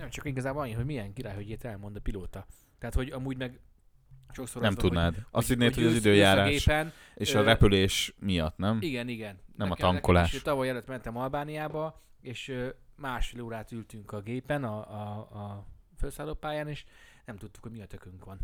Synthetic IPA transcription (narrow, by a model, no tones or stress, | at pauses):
nɛmt͡ʃɒkiɡɒzaːbonɒɲːihomijɛŋkiɾaːjhoɟet̪ɛlmo̞nd̪ɒpiloːt̪ɒ | t̪ɛɦːt̪ho̞ɟɒmuːɟmɛɡ | ʃo̞ksoɾnɛmtud̪naːd̪ɒst̪id̪neːt̪hoɟɒzid̪øːjaːɾaːɡeːʃpɛn | eːʃɒɾɛpyleːʃmijɒt̪nɛmiɡɛniɡɛnnɛmɒt̪ɒŋkolaːʃet̪ɒvɒjɛløt̪mɛnt̪ɛmɒlbaːnijaːbɒ | eːʃømaːʃfeloːɾaːt̪ylt̪yŋkɒɡeːpɛnɒː | følsaːloːpaːjaːneːʃnɛmt̪ut̪ːu̥khomiɒt̪økøŋkʋɒn